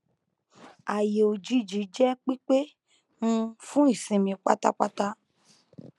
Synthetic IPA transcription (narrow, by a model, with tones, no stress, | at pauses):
a˨je˨o˨d͡ʒi˧d͡ʒi˨˦d͡ʒɛ˦k͡pi˦k͡pe˦ | ŋũ˦fũ˦i˦˨sĩ˨mĩ˧k͡pa˦ta˦k͡pa˦ta˦